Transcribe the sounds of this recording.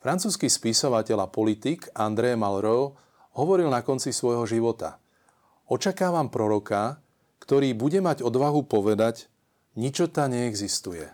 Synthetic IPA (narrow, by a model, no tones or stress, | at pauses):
fɾant͡suːskispisɔʋacɛlapɔlit̪ikand̪ɾɛjmalɾɔʊ | ɦɔʋɔɾilnakɔnt͡sisʋɔjɦɔʒiʋɔt̪a̰ | ɔt͡ʃakaːʋampɾɔɾɔka | kt̪ɔɾiːbuɟɛmaɟɔd̪ʋaɦupɔʋɛd̪aɟ | ɲit͡ʃɔt̪aɲɛːɡzist̪ujɛ̰